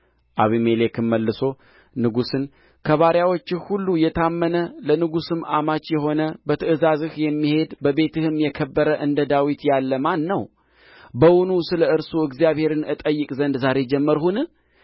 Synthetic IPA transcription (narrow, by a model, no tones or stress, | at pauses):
ʔaβimelekʰɨmːəlːɨso̞ | nɨɡusɨn | kʰəβaɾjawo̞t͡ʃːɪhulːujɛt̪ʰamːənələnɨɡusɨmamat͡ʃjɛɦo̞nəbət̪ʰəʔɨzazɨhjɛmːihe̞d̪bəβe̞t̪ʰɨhɨmjɛkʰəbːəɾəʔɨnd̪əd̪awit̪jalːəmanːəw | bəwunusɨləɨɾsoɨɡzijaβhe̞ɾɨnɨt̪ʼəjːɨkʼzənd̪zaɾe̞d͡ʒɛmːəɾhunɨ